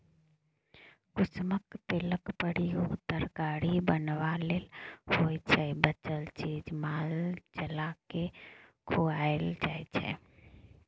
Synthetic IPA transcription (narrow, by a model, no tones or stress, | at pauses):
kʊsməkp̪eləkpəɽiot̪əɾɡaːɽibənʋaleːlhojt͡ʃʰɛbət͡ʃəlt͡ʃid͡ʒmaːld͡ʒəlakekʰuaeld͡ʒajt͡ʃʰɛ̰